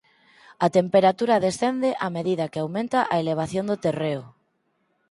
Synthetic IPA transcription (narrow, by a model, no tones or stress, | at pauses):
at̪empeɾat̪uɾaðesθend̪eʔameðiðakeawmẽnt̪aʔaeleβ̞aθjond̪ot̪ereʊ